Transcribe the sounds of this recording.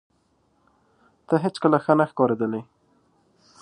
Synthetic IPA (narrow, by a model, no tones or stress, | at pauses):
t̪əɦɪt͡skəlaxənaxkɑɾed̪əlej